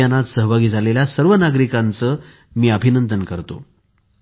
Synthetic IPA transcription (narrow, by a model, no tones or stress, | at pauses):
anat̪səɦbʱaɡiːd͡zʱaleljasəɾʋənaɡɾikant͡səː | miːəbʱinənd̪ənkəɾt̪o̰